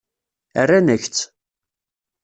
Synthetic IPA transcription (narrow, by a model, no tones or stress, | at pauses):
ə̰rːanəçt͡sː